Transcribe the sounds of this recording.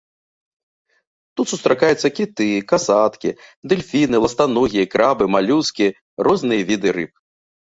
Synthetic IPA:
t̪ut̪sust̪ɾakajut̪sːɐkʲit̪ɨkasat̪kʲḭd̪ɛlʲfʲinɨlˠɐst̪anɔɣʲikɾabɨmalʲuskʲi | ɾɔznɨjɐvʲid̪ɨɾɨp̚

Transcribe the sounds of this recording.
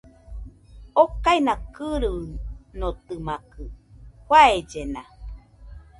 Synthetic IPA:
okainakɨɾɨnot̪ɨmakɯhwaed͡ʒena

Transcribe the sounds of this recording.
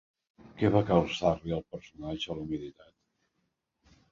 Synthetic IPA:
kɛβakalˠsarliəlˠpəɾsunad͡ʒəːlumilit̪at̪

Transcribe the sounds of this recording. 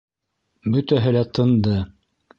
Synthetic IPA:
bɵt̪æɦɘlæt̪ʰɤ̆nd̪ɤ

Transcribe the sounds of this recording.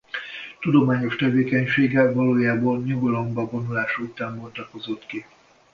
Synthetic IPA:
t̪ud̪o̞maːɲo̞ʃt̪ɛveːkɛɲʃeːɡɛvɒloːjaːboːlɲuɡolombɒbo̞nulaːʃuut̪aːmbort̪ɒko̞zo̞t̪ki

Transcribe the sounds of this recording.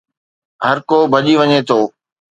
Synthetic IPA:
ɦəɾkoːbʱɐʄiʋɐɲeːt̪ʰoː

